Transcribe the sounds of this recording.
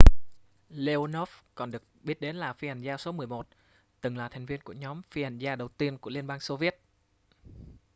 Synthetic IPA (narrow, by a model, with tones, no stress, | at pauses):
le˧o˧no˦˥fkɔ˨˩nɗɨ˨˩ək̚ɓi˦˥ət̚ɗe˨˦nlaː˨˩fi˧ha˨˧˩jŋ̟zaː˧so˨˦mɨ˨˩əjmo˨˩t̚ | t̪ɨ˨˩ŋlaː˨˩t̪ʰa˨˩ŋ̟vi˧ənku˧˩əɲɔ˨˦mfi˧ha˨˩jŋzaː˧ɗə˨˩wt̪i˧ənku˧˩əli˧ənɓaː˧ŋso˧vi˦˥ət̚